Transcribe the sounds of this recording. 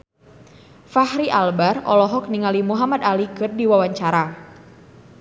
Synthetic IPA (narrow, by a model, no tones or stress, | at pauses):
fahɾiʔalbarɔ̰lɔɦɔk̚niŋalimuɦamad̪alikɨrdiwawaɲt͡ʃaɾa